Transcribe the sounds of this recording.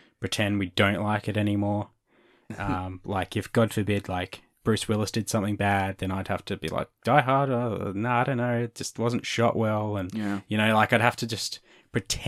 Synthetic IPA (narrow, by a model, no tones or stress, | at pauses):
pʰɹ̥ɨtʰɛ̃nd̚widõʊ̃nʔlaɪkɨɾɛñimɔɹ | ʔʌ̃mlaɪkɨfɡ̥ɑd̥fə˞bɪdˡlaɪk | b̥ɹʉswɪlˠəsd̥ɨd̥sʌ̃mθɪ̃ŋbæd̪̚ðɨ̃ñaɪwd̚hæ̰ftɨbḭla̰ɪk̚d̥aɪɦɑɹɾənoʊaɪɾõʊ̃nːoʊɪt̚d̥ʒ̥ʌst̚wʌz̃n̩tʃɑ̰ʔwʔɛlˠə̃njjɨñoʊlaɪkaɪd̚ɦæftɨd͡ʒʌs | pʰɹ̥ɨtʰ